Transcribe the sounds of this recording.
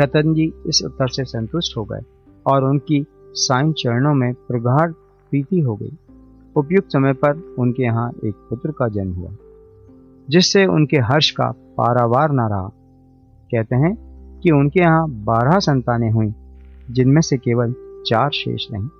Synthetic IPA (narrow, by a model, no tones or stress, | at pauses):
ʃɐt̪ənd͡ʒiɪsʊ̰t̪ːəɾsesɐ̃nt̪ʊʃʈɦoɡɐ̰ḛ | ɔːɾʊnki | saːɪnt͡ʃɐɾnõmẽpɾɐɡʱaːɽ | pɾiːt̪iɦoɡɐ̰ḭː | ʊpjʊɡ̪̚sɐməjpɐɾʊnkejɐɦãʔeːk̚pʊt̪ɾkad͡ʒɐnmɦʊ̰a̰ | d͡ʒɪsːeʊ̰nkeɦɐɾʃka̰pa̰ːɾaːʋaːɾnaɾɐɦa̰ː | kɛɦt̪eɦɛ̃kiʊnkejɐɦãbaːɾɦasɐ̃nt̪aːnẽɦʊĩd͡ʒɪnmẽsekeːʋəlt͡ʃaːɾʃḛːʃnɐ̰ɦĩː